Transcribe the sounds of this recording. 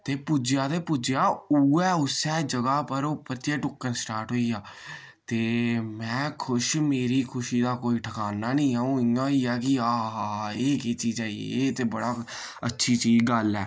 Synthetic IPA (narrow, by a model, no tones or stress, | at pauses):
t̪eːpʊd͡ʒjaːt̪eːpʊd͡ʒjaːuːɛːʊsɛːd͡ʒəɡaːpəɾoːpəɾt̪ɪɛːʈʊkːənsʈaːɾʈɦoːiːaː | t̪eːmɛ̃ːkʰʊʃmeːɾiːkʰʊʃiːd̪aːkoːiːʈʰəkaːnaːnĩːaːũːɪãːiːɛːkɪaːɦaːeːkeːt͡ʃiːd͡ʒaːḭet̪eːbəɽaː | ətːʃʰiːt͡ʃiːd͡ʒɡəlɛː